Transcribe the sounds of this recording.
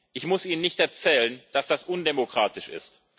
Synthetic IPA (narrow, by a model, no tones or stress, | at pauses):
ʔɪçmʊsʔiːnənɪçtɛɐt͡sɛːlənd̥asd̥asʔʊndemokʁ̥aːtɪʃɪ̰st